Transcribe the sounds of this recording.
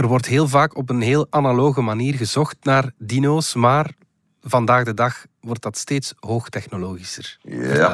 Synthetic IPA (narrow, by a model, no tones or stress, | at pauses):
ərʋɔrtɦeːlˠvaːkɔp̬ənɦeːlˠanaloːɣəmaniːrɣəzɔxtnaːrdinoːsmaːr | vɑndaːɣdədɑx | ʋɔrt̚dɑtsteːtsɦoːxtɛxnoloːɣisər